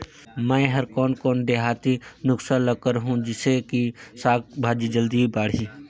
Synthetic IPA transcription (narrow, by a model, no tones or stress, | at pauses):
mɛ̃ːɦɐɾkɔːnkɔːnɖ̪eːɦaːt̪inʊksaːnləkəɾɦũd͡ʒɪsekisaːkbʱaːd͡ʒid͡ʒəld̪ibaːɽ̤iː